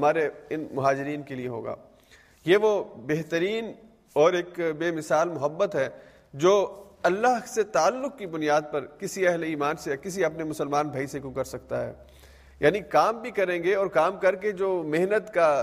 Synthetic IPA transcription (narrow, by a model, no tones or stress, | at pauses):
ɐmaːɾeɪnmʊɦaːd͡ʒɪɾiːnkelieɦo̰ːɡa̰ː | jeʋobeɦt̪əɾiːn | ɔːɾeːkbeːmɪsaːlmʊɦəbːət̪ɦɛː | d͡ʒoːɐlːaɦset̪aːlːʊkkibʊnijaːd̪̚pɐɾkɪsiɛɦleiːmaːnsekɪsiɐpnemʊsəlmaːnbʱaisekõkɐɾsɐk̚t̪aɦɛ̰ː | jaːnikaːmbʱikɐɾẽːŋɡeɔːɾkaːmkɐɾked͡ʒoːmɪɦnət̪ka